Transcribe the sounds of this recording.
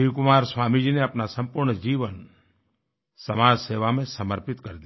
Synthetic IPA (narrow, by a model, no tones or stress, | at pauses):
ikʊmaːɾsʋaːmid͡ʒineəpnasəmpʊɾɳəd͡ʒiʋən | səmaːd͡ʒseʋamẽsəməɾpɪt̪kəɾd̪i